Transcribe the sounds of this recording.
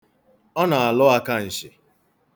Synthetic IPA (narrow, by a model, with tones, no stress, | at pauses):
ɔ˦na˨a˨lʊ˦a˦ka˦n̩˨ʃɪ˨